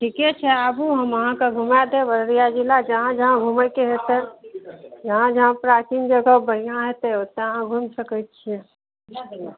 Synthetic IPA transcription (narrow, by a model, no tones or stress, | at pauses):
ʈʰikɛt͡ʃʰɛabuɦəməɦãkeɡʱumad̪eʋəɾɾijad͡ʒilad͡ʒəɦãd͡ʒəɦãɡʱuməkeɦet̪ɛ | d͡ʒəɦãd͡ʒəɦãpɾat͡ʃind͡ʒəɡəbənijãɦet̪ɛot̪ɦãɡʱumsəkət̪̚t͡ʃʰɛ